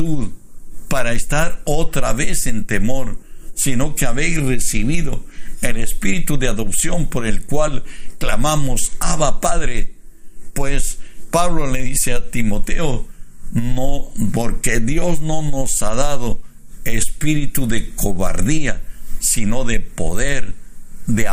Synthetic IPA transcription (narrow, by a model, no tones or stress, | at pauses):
t̪uðpaɾaest̪aɾot̪ɾaβe̞se̞nt̪emo̞ɾsino̞keaβe̞jsresiβiðo̞elespiɾit̪uðeaðo̞psjo̞mpo̞ɾelkwalklamamosaβapaðɾe | pwespaβlo̞le̞ðiseat̪imo̞t̪eo | nopo̞ɾkeðjo̞zno̞nosaðaðo | espiɾit̪uðekoβa̰ɾðiasino̞ðepo̞̰ðeɾðe